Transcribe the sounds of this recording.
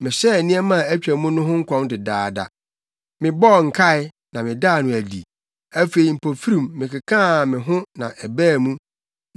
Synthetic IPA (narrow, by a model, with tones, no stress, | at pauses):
mɪ̃˨sɛ˦˨nĩ˦ɛ˦mã˦˨æ˦t͡ɕᶣæ˨˦mũ˦nʊ̃˦ɦʊ̃˦ŋ̩˦kʰɔ̃˦mdɪ˨daː˨da̰˨ | mɪ̃˨bɔ˦˨ŋ̩˨kʰa˦˨ɪ˨ | nã˨mɪ̃˨daː˦˨nʊ̃˨æ˨dḭ˨ | æ˦fe˨i˨m̩˨pʰo˨fi˦ɾĩ˨mːɪ̃˨kɪ˨kʰãː˦˨mɪ̃˨ɦʊ̃˦nã̰˨ʔɛ˨bæː˦˨mũ˦